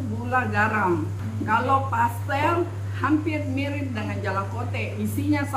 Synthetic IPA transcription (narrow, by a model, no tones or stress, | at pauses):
buulaɡaɾaŋ | kalopast̪ɛl | hampɪrmiɾɪp̚dəŋand͡ʒalakot̪ɛʔisiɲas